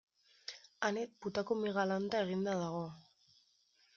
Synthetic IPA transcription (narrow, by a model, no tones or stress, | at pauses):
anet̪̚put̪akomiɣalant̪ae̞ɣ̞ind̪aðaɣ̞o̞